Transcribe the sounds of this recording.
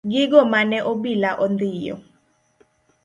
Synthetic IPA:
ɡiɡ̬ɔmanɛʔoɓilaʔɔnd̪iːjɔ̰

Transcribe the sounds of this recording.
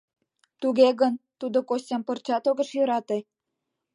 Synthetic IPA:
t̪uɣeɣənt̪ud̪okosʲɑmpə̆rt͡ɕɑt̪oɣə̆ʃjø̆ɾɑt̪e

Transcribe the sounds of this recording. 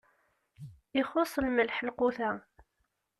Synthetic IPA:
ɪχosˤlməlħəlqʊθæ

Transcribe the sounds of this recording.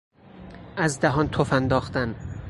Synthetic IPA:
ʔæzd̪æɦɒːnt̪ʰofænd̪ɒːχt̪æn

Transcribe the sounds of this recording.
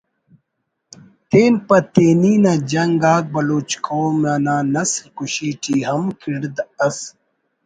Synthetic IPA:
t̪eːnpɐt̪eːniːnad͡ʑɐŋɡaːɡ̚bɐloːt͡ɕkʰowmanaːnɐslkuɕiːʈiːɦɐmkʰiɽd̪ɐs

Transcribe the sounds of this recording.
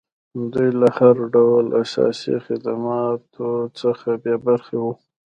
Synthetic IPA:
d̪ujlahaɾɖawlasɑ̰sḭxɪd̪amɑt̪ʰot͡səxabjɑbaɾxewu

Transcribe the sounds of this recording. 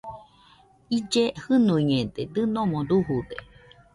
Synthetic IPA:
id͡ʒehɨnũiɲẽd̪ed̪ɨnõmõɾuɦud̪e

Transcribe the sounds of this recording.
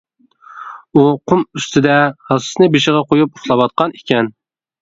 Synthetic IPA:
uqʰʊmyst̪ʰɪd̪ɛhɑsɨ̥snɪbeʃɪʁɑqʰojup̚ʊχlˠɑwɑt̪̚qʰɑne̥kʲɛn

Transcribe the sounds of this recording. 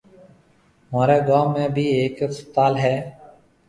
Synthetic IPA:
maːɾeːɡaːmːẽːbʱiːeːkst̪aːlɦɛː

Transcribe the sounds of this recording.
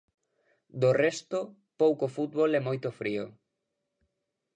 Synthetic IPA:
d̪orɛst̪o | powkofut̪̚βolɛmojt̪ofɾio

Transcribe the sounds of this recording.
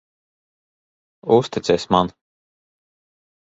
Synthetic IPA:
ust̪it̪sʲɛsʲman

